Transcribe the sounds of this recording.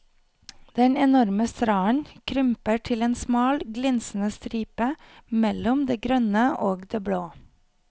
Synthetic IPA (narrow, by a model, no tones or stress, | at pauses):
d̪̥ɛnɛnɔɾməst̪ɾɑːənkʰɾʏmpəʈʰɪleːnsmɑːlɡlɪnsn̩əst̪ɾiːpə | mɛlʊmd̪eːɡɾœnəʔoːɡd̪eːbɽoː